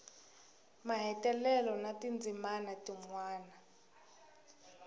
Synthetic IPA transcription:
maɦɛtʼɛlɛlɔnatind͡zʱimanatiŋwaːna

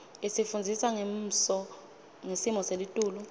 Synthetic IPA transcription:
esifund͡zʱisaŋem̩sɔ | ŋesimɔselitʼuːlu

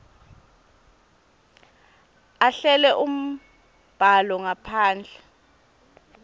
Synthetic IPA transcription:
aɬɛlɛʔum̩ | b̥ʱalɔŋapʰaːnd͡ɮʱɛ

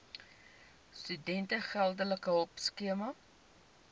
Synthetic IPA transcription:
stydɛntəχælˠdələkəɔpskiəmɐ

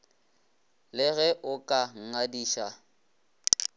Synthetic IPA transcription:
lɪɣɛʔʊkʼaŋ̩ŋadiːʃa

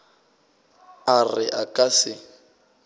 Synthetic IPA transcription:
arɪʔakʼasɪ

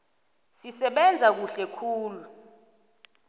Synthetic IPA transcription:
sisɛɓɛnd͡zʱak̬uɬɛkʰuːlu

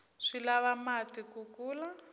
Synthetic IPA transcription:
ʂilaβamatikukuːla

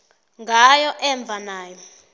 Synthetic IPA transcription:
ŋɡʱajɔʔɛɱb̪vʱanaːjɔ

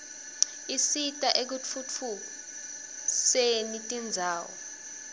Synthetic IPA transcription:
isitʼaʔek̬ut͡fʰut͡fʰu | senitʼind͡zʱaːwɔ

